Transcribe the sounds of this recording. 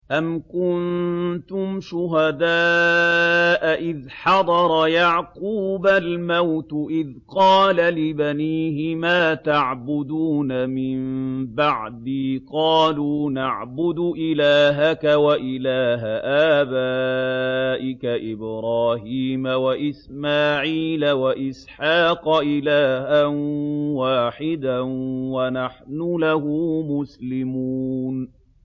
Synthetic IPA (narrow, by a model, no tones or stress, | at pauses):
ʔamkʊnt̪ʊmʃʊɦad̪aː | ʔaʔɪðħɑd̪ˤɑɾˤɑjɑʕquːbalmawt̪ʔɪðqɑːlalɪbaniːɦɪmaːt̪aʕbʊd̪uːnamɪmbaʕd̪iːqɑːluːnaʕbʊd̪ʊʔɪlaːɦakawaʔɪlaːɦaʔaːbaː | ʔɪkaʔɪbɾɑːhiːmawaʔɪsmaːʕiːlawaʔɪsħɑːqɑʔɪlaːɦanwaːħɪd̪anwanaħnʊlahʊmʊslɪmuːn